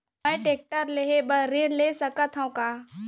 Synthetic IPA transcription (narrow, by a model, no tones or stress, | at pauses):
mɛjʈeːk̚ʈəɾleebɐɾeːɽlesɐkət̪ʰɦũkaː